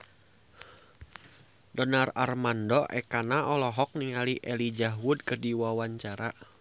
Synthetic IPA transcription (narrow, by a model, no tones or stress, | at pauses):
dɔnararmandɔʔɛ̰kanaʔɔlɔɦɔk̚niŋaliʔɛlid͡ʒaɦwʊd̚kərdiwawaɲt͡ʃaɾa